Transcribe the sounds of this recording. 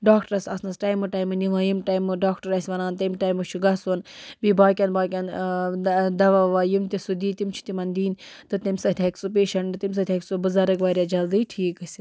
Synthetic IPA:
ɖaːkʈɐɾɐsɐsnɐsʈaːjmuʈajmɨniʋaːjimʈajmɨɖaːkʈɐɾɐsʲʋɐnaːnt̪ɐmʈajmuʃʰuɡɐsunbibaːkʲɐnbaːk̬ʲɐn | d̪ɐʋɐʋajumt̪isud̪iːt̪imt͡ʃʰi̥t̪imɐnd̪iːnt̪ɨt̪imsɐt̪ʰʲɐksup̬eːʃɐɳʈɨt̪ims̬ɐt̪ʲʰɐksubɨzɐɾɐkʋaːɾʲjaːd͡ʒɐld̪ijʈʰiːkɐsʲi

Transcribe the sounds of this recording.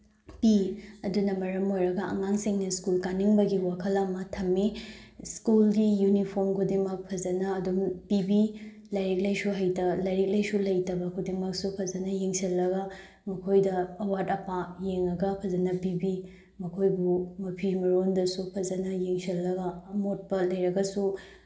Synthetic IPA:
piɐdunɐmɐɾɐmojɾɐɡɐɐ̰ŋaŋsiŋnɐskulkaniŋbɐɡiwakʰɐlɐmɐtʰɐmːi | skulɡijunipʰoɾmkʰudimɐk̚pʰɐzɐnɐːdumpibi | lɐjɾik̚lɐjsuɦɐjtɐlɐjɾik̚lɐjsulɐjtɐbɐkʰudimɐk̚supʰɐzɐnɐjiŋsilːɐɡɐ | mɐkʰojdɐːwatɐpajeŋɐɡɐpʰɐzɐnɐpibi | mɐkʰojbumɐpʰimɐɾondɐsupʰɐzɐnɐjiŋsilːɐɡɐːmot̚pɐlɐjɾɐɡɐsu

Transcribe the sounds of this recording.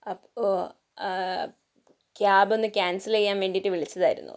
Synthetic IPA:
ɐpo | kjaːbo̞nːɨkjaːnsilejːaːnʋe̞ːɳɖijiʈːɨʋiɭit͡ɕːɐðaːjiɾṵnːṵ

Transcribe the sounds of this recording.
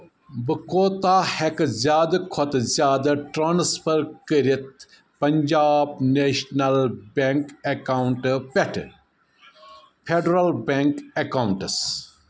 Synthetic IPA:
bɨkoːt̪aːhekzʲjaːd̪ɐkʰot̪zʲjaːd̪ɐʈɾaːnspʰəɾkəɾit̪̚ | pɐɲd͡ʒaːbneːʃnɐlbeŋkekawɳʈpeʈʰ | pʰeɖɾɐlbeŋkekawɳʈɨs

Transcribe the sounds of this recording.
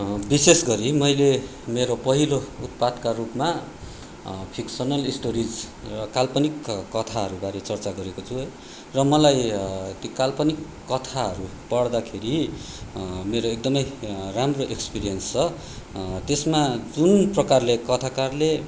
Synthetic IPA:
bisesɡʌɾimʌjle | meɾopʌɦilout̪̚pad̪karupma | pʰiksʌnʌlisʈoɾid͡z | rʌkalpʌnikkʌt̪ʰaɦʌɾubaɾet͡sʌrt͡saɡʌɾekot͡sʰu | rʌmʌlajt̪jokalpʌnikːʌt̪ʰaɦʌɾu | pʌɽd̪akʰeɾi | meɾoek̚d̪ʌmʌjramroʔekspiɾijʌnst͡sʰʌ | t̪esmad͡zunprʌkarlekʌt̪ʰakarle

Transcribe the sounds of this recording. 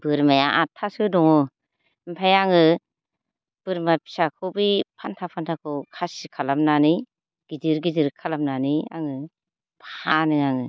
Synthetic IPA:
b̥ɯɾmajaʔatʰːasɯdɔŋɔ | mpʰajaŋɯ | b̥ɯɾmapʰi̥sakʰɯbɯpʰantʰapʰantʰakʰɯkʰasikʰalamnani | ɡ̥idɯɾɡiziɾkʰalamnania̰ŋɯ | bʰahanɯaŋɯ

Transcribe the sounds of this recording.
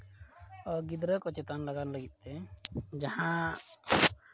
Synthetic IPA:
ɔɡid̪ɾəkɔt͡ʃɛt̪anlaɡanləɡit̪̚ˀt̪ɛd͡ʒahã

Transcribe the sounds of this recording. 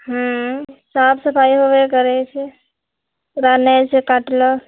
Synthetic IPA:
ɦãsaːpʰsɐpʰaːiɦoʋekəɾet͡ʃʰe | ɾaːnet͡ʃʰekaʈlo

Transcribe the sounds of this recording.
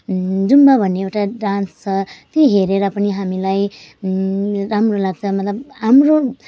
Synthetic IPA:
d͡zumbabʱʌnːeewʈaɖanst͡sʰʌt̪iɦeɾeɾʌpʌniɦamilaj | ɾamrolaɡ̚t͡sʰʌmʌt̪lʌbamɾo

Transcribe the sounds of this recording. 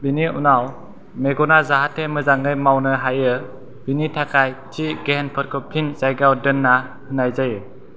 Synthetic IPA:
biniunaw | meɡɔnazaɦatʰːemɯzaŋɯjmawnɯɦajɯ | b̥initʰakʰajtʰiɡenpʰɔɾ̚kʰɔpʰinzajɡawdɯnːa | hɯnajzajɯ

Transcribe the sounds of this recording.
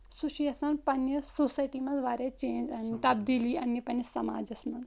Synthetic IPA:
suʃiɐsɐnpɐnjɐsoːsaːjʈiːmɐ̃nzʋaːɾet͡ʃẽːnd͡ʒɐnt̪ɐbd̪iːliɐnjɐpɐnjɐsɐma̰ːd͡ʒɐsmɐnz

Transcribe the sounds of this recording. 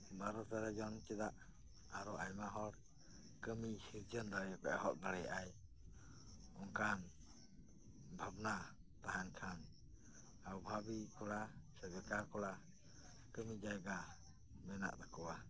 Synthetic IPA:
baɾɔt̪aɾɛd͡ʒɔnt͡ʃɛd̪aʔ | aɾɔajmaɦɔɽ | kəmisiɾd͡ʒənd̪aɽɛjakɛɦɔʔ̚d̪aɽɛjʔaj | ɔŋkan | bʱabnat̪aɦankʰan | awbʱabikɔɽasɛd̪ɛkakɔɽa | kəmid͡ʒajɡa | mɛna̰ʔd̪akɔwa

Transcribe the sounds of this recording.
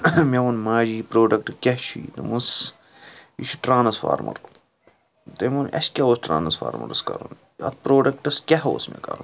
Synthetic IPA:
mʲeʋɐnmaːd͡ʒiːpɾoːɖɐk̚ʈɨkʲɐɦʃʰit̪ɨmus | iʃu̥ʈɾaːnɐsfa̰ːɾmɐ̰ɾ | t̪ɐmunɐ̰ʃkʲaoːsʈɾa̰ːnɐsfa̰ːɾmɐ̰ɾɐskɐɾun | ɐ̰t̪̚ʰpɾoːɖɐk̚ʈɐskʲɐɦo̰ːsmḛkɐ̰ɾun

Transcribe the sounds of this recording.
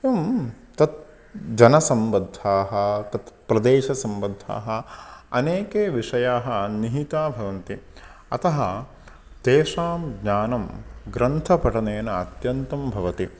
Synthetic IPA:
ɐm | t̪ɐt̪̚ | d͡ʒɐnɐsɐmbɐd̪ʱːaːɦɐt̪ɐt̪pɾɐd̪eːʃɐsɐmbɐd̪ʱa̰ːɦɐɐneːkeːʋiʂɐjaːɦɐ̆niɦit̪aːbʱɐʋɐnt̪i | ɐ̰t̪ɐɦɐ | d̪̥eːʂaːmɡɲaːnɐmɡɾɐnt̪ʰɐpɐʈɐneːnɐɐt̪jɐnt̪ɐmbʱɐʋɐt̪i

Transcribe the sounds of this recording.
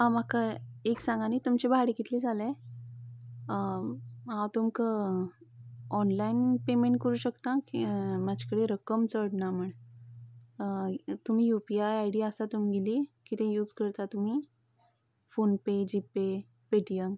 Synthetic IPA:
ãmakaeksãŋɡanit̪umt͡ɕebʱaɽiɡit̪lid͡zʱalẽ | ɦãwt̪umkə | ɔnlainpemeɳʈ̚kəɾuːɕəkt̪ãkimad͡ʑʱakəɽeɾəkəmt͡səɽnaməɳ | t̪um̤ijupiajajɽiasat̪um̤iɡelikit̪ẽjuːd͡zkəɾt̪at̪um̤i | fonped͡ʑipe | peʈijəm

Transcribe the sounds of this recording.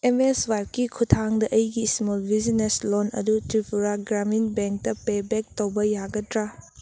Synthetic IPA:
emeswaj̚kikʰutʰaŋdɐʔɐjɡismolbizineslonɐ̰dutɾipʰuɾaɡɾaminbeŋk̚tɐpebek̚towbɐjaɡɐtɾa

